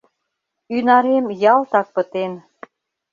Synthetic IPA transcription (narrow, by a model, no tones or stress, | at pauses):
ynɑɾemjɑlt̪ɑk̚pət̪en